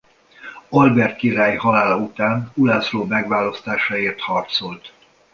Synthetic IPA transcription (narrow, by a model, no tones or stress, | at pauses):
olbɛrt̪̚kiɾaːjhɒlaːlɒut̪aːnulasroːmɛɡʋaːlɒst̪aːʃaeːrt̪hɒrt̪so̞lt̪